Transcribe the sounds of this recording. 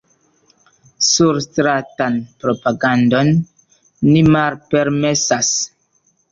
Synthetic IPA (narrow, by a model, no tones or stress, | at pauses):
suɾstɾatanpɾopaɡandonː | imalpeɾmesas